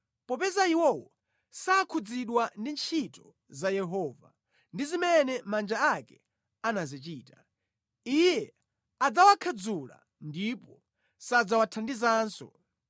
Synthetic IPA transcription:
pɔpɛzaiwɔwɔ | saːkʰud͡ziɗwandint͡ʃʰitɔ | zajɛɦɔːva̰ | ndizimɛnɛmand͡ʒaakɛ | anazit͡ʃiːta | ijɛ | ad͡zawakʰad͡zula̰ | ndipɔ | sad͡zawatʰandizaːnsɔ̰

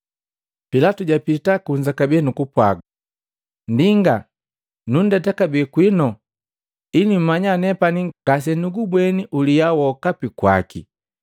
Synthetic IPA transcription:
pilatuɟapitakuɲd͡ʒakabiɛnukupwa̰ɡa | ndiŋɡa | nun̩dɛtakabɛkwinɔ | inim̩maɲanɛpaniɡ̥as̬ɛnuɡubwɛniʔulijawɔkapikwa̰kḭ

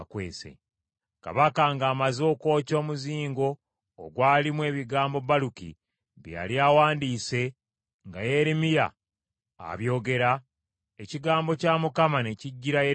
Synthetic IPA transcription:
kwḛːsḛ | ka̰βakaŋɡaːmazo̞ːko̞ːco̞ːmuziːŋɡo̞̰ː | ɡwaːlimwe̞ːβiɡaːmbo̞balukḭ | βja̰ljawaːndiːse̞ | ŋɡaje̞ɾimija̰ː | βjo̞ːɡe̞ɾa | e̞ciɡaːmbo̞caːmukamaneciɟːiɾaje

